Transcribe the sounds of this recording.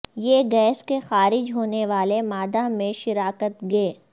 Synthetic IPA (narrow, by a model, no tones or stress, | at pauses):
jeːɡɛːskexaːɾɪd͡ʒɦoːneʋaːlemaːd̪amẽʃɪɾaːkət̪ɡeː